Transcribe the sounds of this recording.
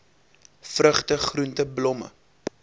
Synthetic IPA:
frəχtəχruntəblɔmə̰

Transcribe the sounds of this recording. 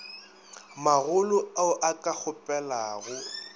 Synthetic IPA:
maɣʊlʊaʊʔakʼak͡xʊpʼɛlaːɣʊ

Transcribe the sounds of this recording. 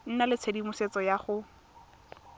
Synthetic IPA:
n̩nalɪt͡sʰedimʊset͡sɔjaχʊ

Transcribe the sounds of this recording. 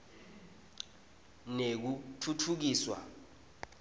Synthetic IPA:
nek̬utʰutʰuk̬iːswa̰

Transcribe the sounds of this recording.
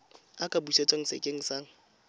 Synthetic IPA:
akʼabuset͡sʼaŋ̩sḛkʼeŋ̩saːŋ̩

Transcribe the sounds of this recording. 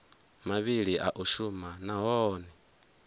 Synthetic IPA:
maβiɺiʔaʔuʃumanaɦɔːnɛ

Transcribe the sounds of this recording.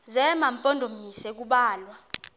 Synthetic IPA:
zɛmampʼɔndʱomisɛk̬uɓaːlwa

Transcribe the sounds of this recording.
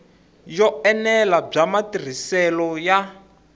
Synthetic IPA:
jɔɛnɛlab͡ʐamatir̤isɛlɔja

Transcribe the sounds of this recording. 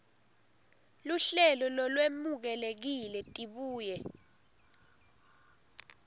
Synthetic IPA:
luɬɛlɔlɔlwemuk̬ɛlek̬ilɛtʼiɓuːjɛ

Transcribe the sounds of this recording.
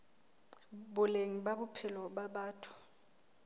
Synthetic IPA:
ɓʊleŋiɓaɓʊpʰɪlɔɓaɓaːtʰu̥

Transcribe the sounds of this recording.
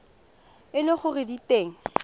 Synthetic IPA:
ɪlɪχʊrɪditeːŋ̩

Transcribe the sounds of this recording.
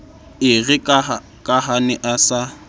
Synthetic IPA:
ɪɣɪk | kʼahanɪʔasa

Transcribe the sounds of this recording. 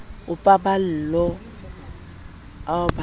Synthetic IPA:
ʊpʼabal̩lɔ | aba

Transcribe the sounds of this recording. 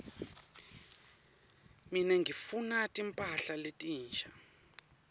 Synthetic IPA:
minɛŋʱifunatʼimpʼaɬaletʼiːnt͡ʃʰʼa

